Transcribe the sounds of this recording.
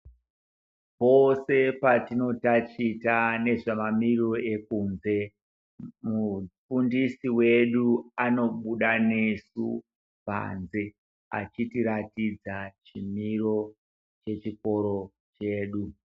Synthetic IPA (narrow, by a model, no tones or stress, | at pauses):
po̞se̞patino̞tat͡ʃitane̞ʐamamiriroe̞kuːnze̞ | mufundisiwe̞ɗuano̞ɓuɗane̞su | pa̰nze̞ | a̰t͡ʃitiɾatid͡zat͡ʃimiro̞ | t͡ʃe̞t͡ʃiko̞ɾo̞ | t͡ʃe̞ːɗu